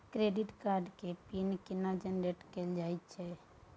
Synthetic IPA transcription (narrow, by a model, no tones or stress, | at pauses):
kɾeɖiʈkaɾɖkepinkinad͡ʒənɾeʈkeld͡ʒajt̪t͡ʃʰɛ